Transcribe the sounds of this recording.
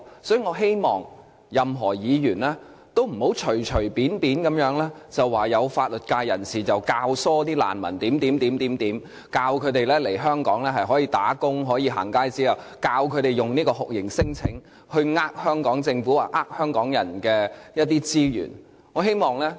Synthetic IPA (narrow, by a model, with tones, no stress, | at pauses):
sɔ˨˥ji˨˧ŋɔː˨˧ɦe˥jmɔː˨ŋ | jɐ˨mɦɔː˨˩jiː˨˧jyː˨˩nlɛː˥ | t̪o˥wm̩˨˩ho˨˥wt͡ʃʰɵ˨˩ɥt͡ʃʰɵ˨˩ɥpiː˨˥npiː˨˥nkɐ˨˧˥mjœː˨˥ŋlɛː˥t͡sɐ˨˩waː˨˩jɐ˨˧wfaː˧t̚lɵ˨˩t̚kaː˧jːɐ̰˨˩nsiː˨˩t͡sɐ˨wkaː˧wsɔː˥t̪iː˥la̰ː˨˩nmɐ̰˨˩nt̪iː˨˥mt̪iː˨˥mt̪iː˨˥mt̪iː˨˥mt̪iː˨˥m | kaː˧wkʰɵ˨˧ɥt̪e˨jlɛː˥le˨˩jɦœː˥ŋkɔː˨˥ŋlɛː˥ɦɐ˨jɦɔː˨˥jiː˧t̪a̰ː˨˥kʊ˥ŋɦɔː˨˥jiː˨˧ɦa̰ː˨˩ŋkaː˥jt͡siː˥jɐ˨w | kaː˧wkʰɵ˨˧ɥɾe˨˩jʊ˨˩ŋniː˥kɔː˧hʊ˨k̚jɪ˨˩ŋsɪ˥ŋt͡sʰɪ˨˥ŋ | hɵ˧ɥŋaː˥k̚hœː˥ŋkɔː˨˥ŋt͡sɪ˧ŋfu˨˥wa̰ː˨˩ʔaː˥k̚hœː˥ŋkɔː˨˥ŋjɐ˨˩nkɛː˧jɐ˥t̚t̪iː˥t͡siː˥jy̰ː˨˩n | ŋɔː˨˧ɦe˥jmɔː˨ŋlɛː˥